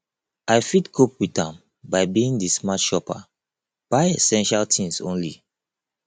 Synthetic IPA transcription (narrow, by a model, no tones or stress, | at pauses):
ʔaɪfitkʰopwitãm | baɪbiĩŋdismatʃɔpa̰ | b̥aɪesɛ̃nʃaltʰĩŋsõ̰nlḭ